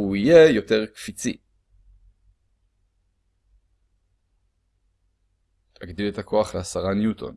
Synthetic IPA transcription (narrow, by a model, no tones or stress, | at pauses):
uije̞jo̞te̞ʁkfit͡sḭ | aɡd̪iletakʰo̞aχleasaʁanjutʰo̞̰n